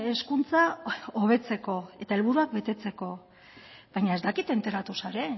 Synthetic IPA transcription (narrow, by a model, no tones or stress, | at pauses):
e̞skunt͡saoβ̞e̞t͡se̞ko̞e̞t̪ae̞lβuɾuak̚be̞t̪e̞t͡se̞ko̞ | βajɲae̞zd̪akit̪e̞nt̪e̞ɾat̪usaɾe̞